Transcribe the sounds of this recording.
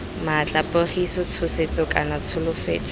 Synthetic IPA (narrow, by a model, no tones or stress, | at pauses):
mat͡ɬʼapʊrisɔt͡sʰʊset͡sʼɔkʼanat͡sʰʊlʊfḛːt͡sʼɔ̥